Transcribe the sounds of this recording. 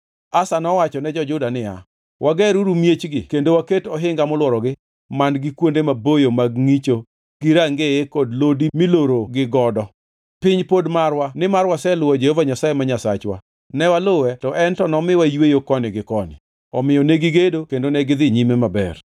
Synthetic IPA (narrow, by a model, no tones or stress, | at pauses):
asanɔwat͡ʃɔnɛd͡ʒɔd͡ʒʊdanɪa̰ | wʔaɡɛɾuɾumjet͡ʃɡɪkendowaketɔɦɪŋɡamʊlwɔɾɔɡɪ | manɡɪkwondemabojomaɡŋit͡ʃo | ɡ̥iɾaŋɡejekodlodimiloɾoɡɪɡɔdɔ | pɪɲpodmarwanɪmarwasɛlʊwɔd͡ʒehovaɲasajemaɲasat͡ʃwa̰ | nɛwalowɛtɔʔɛntɔnɔmɪwajwejokɔnɪɡɪkɔnɪ̰ | ɔmɪjɔneɡɪɡedokendonɛɡɪd̪ɪɲimemabɛ̰r